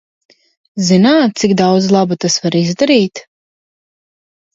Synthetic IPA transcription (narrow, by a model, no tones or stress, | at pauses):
zinaːt̪̚t̪siɡd̪awd̪zlˠabut̪asvaɾizd̪aɾiːt̪